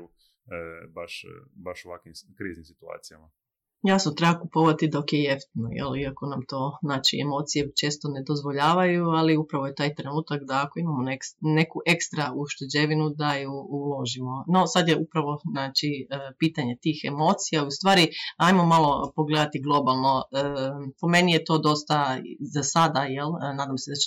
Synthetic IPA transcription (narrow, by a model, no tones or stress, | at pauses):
u | baʃbaʃuʋakʋimkɾiːznimsi̥t̪ua̰ːt̪ijama | jasnot̪ɾebakupoʋat̪id̪o̞kjejeft̪no̰jḛliako̞namt̪o̞ːznaːt͡ʃiemo̞ːt̪sije̞t͡ʃe̞ːst̪o̞ne̞d̪ozʋo̞ʎaːʋajualiupɾaʋojet̪aːjt̪ɾe̞nuːt̪akd̪aːko̞imamonekne̞kuʔe̞kst̪ɾauʃt̪ed͡ʑeʋinud̪ajuulˠo̞ʒimo̞no̞sad̪jeupɾaʋo̞znaːt͡ʃipiːt̪aɲe̞t̪iːxe̞mo̞ːt̪sijaust̪ʋaːɾiajmo̞malo̞po̞ɡle̞d̪at̪iɡlˠo̞balˠno̞əpo̞me̞nijet̪o̞ːd̪o̞st̪azasad̪ajelnaːd̪amsed̪at͡ʃ